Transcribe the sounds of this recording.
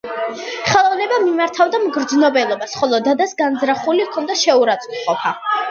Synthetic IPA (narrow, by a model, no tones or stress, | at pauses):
χɛlˠɔvnɛbamimaɾt̪ʰavd̪amɡɾd̪znɔbɛlˠɔbasχɔlˠɔd̪ad̪asɡand̪zɾaχulikʰɔnd̪aʃɛuɾat̪sʼqʼɔpʰa